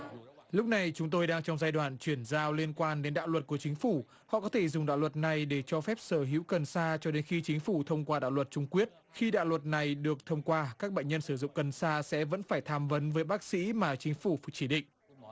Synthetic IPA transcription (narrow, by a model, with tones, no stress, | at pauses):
lʊ˦˥k͡p̚na˨˩jt͡ɕʊ˨˦ŋ͡mt̪o˧jɗaː˧ŋt͡ɕɔ˧wŋ͡mzaː˧jɗwaː˧˩˨nt͡ɕwi˧˩ənzaː˧wli˧ənkwaː˧nɗe˨˦nɗa̰ː˧˨wlwə˨˩t̚ku˧˩ət͡ɕi˨˦ŋ̟fu˧˩ | hɔ̰˧˨kɔ˨˦t̪ʰe˧˩zʊ˨˩ŋ͡mɗa̰ː˧˨wə˨˩t̚na˨˩jɗe˧˩t͡ɕɔ˧fɛ˦˥p̚səː˧˩ɦḭ˧˥wkə˨˩nsaː˧t͡ɕɔ˧ɗe˨˦nxi˧t͡ɕï˨˦ŋ̟fu˧˩t̪ʰə˧wŋ͡mkwaː˧ɗa̰ː˧˨wə˨˩t̚t͡ɕʊ˧ŋ͡mkwi˦˥ət̚xi˧ɗa̰ː˧˨wlwə˨˩t̚na˨˩jɗɨ˨˩ək̚t̪ʰə˧wŋ͡mkwaː˧kaː˦˥k̚ɓə̰˧˨ŋ̟ɲə˧nsɨ˧˩zʊ̰˧˨ŋ͡mkə˨˩nsaː˧sɛ̰˧˥və̰˧˥nfaː˧˩jt̪ʰaː˧mvə˨˦nvəː˨˦jɓaː˦˥k̚sḭ˧˥maː˨˩t͡ɕï˨˦ŋ̟fu˧˩f̚t͡ɕi˧˩ɗḭ̈˧˨ŋ̟